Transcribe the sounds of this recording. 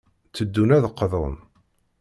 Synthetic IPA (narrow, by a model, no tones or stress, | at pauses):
t͡sːəd̪ːunæðqːəðɾˤə̰n